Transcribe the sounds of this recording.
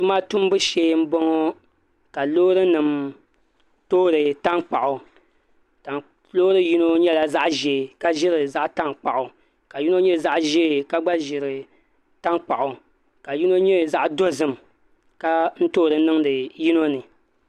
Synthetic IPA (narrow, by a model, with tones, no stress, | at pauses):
dʊ˦ma˦tu˦m˦bɨ˦ʃeː˦m̩˦bɔ˦ŋo˦ | ka˨loː˦ɾɨ˦nɨ˨m | toː˦ɾɨ˨ta˦ŋk͡pa˨ʔʊ˨ | ta˨ | lo˦ɾɨ˦ji˦no˦ɲɛ˦la˨za˦ʔʒe˨ka˦ʒɪ˦ɾɨ˨za˦ʔta˦ŋk͡pa̰˨ʔʊ˨ | ka˨ji˦no˦ɲɛ˦˨za˦ʔʒeː˦˨ka˦ɡ͡ba˦ʒɪ˨ɾɨ˨ | ta˦ŋk͡pa̰˨ʔʊ˨ | ka˨ji˦no˦ɲɛ˦˨za˦ʔdo˦zɨ˦m | ka˦n̩˦toː˦˨ɾɨ˨nɨ˦ŋdɨ˨ji˦no˦nɨ˨